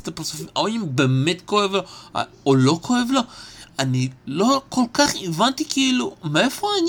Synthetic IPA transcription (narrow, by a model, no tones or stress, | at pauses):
t̪apaʁsufimaoimbemetkoevlo̰ | olo̞kʰoevlo̞anilokolkaχivant̪ikeilumeefoan